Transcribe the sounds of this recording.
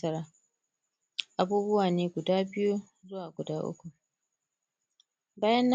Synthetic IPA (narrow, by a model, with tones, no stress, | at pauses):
ɐ˦ɾaː˦ | ʔa˨buː˦bʊ˦waː˨neː˦ɡʷʊ˨daː˦bɪ˦ju˦ | zʊ˦waː˨ɡʷʊ˨daː˦ʔʊ̰˦kʷu˨ | baː˦jɐ˦nː˦